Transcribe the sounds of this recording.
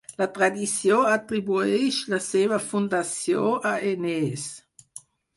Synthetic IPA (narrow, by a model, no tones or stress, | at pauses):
lat̪ɾad̪isjoat̪ɾibueʃlasevafund̪asjoʔaenes